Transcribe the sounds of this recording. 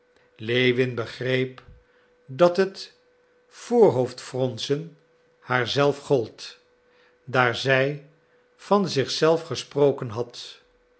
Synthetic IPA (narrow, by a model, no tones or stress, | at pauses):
lejʋɪnbəχrejp | dɑtɦət | foːɹɦowftfrɔnsən | haːɹzɛlˠfχɔlˠt | daːɹzɛj | v̥ɑnzɪχsɛlˠfχəsprowkənɦɑt